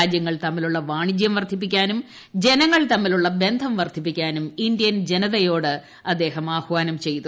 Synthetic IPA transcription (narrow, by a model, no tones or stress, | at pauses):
aːd͡ʑjɐŋːɐɭt̪ɐmːiluɭːɐʋaːɳid͡ʑjɐmʋɐrd̪ʱip̬ːikʲːaːnum | d͡ʑe̞nɐŋːɐɭt̪ɐmːiluɭːɐbe̞nd̪ʱɐmʋɐrd̪ʱip̬ːikʲːaːnumindjɐnd͡ʑe̞nɐðɐjo̞ːɽɨ | ɐd̪ːe̞ːɦɐmaːhʋaːnɐmt͡ɕe̞jt̪u